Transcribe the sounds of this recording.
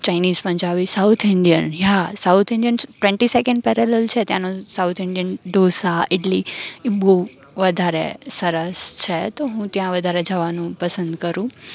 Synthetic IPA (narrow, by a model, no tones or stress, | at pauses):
t͡ʃajnizpənd͡ʒaʋisawt̪ʰɪɳɖijənɦasawt̪ʰɪɳɖijənʈʋɛ̃ɳʈisekə̃ɳɖ̚pɛɾɛlɛlt͡ʃʰet̪jãnõsaut̪ʰɪɳɖijənɖ̪osaeʈlibo | ʋəd̪ʱaɾḛsəɾəst͡ʃʰet̪oɦũt̪jãʋəd̪ʱaɾed͡ʒəʋanũpəsənd̪kəɾũ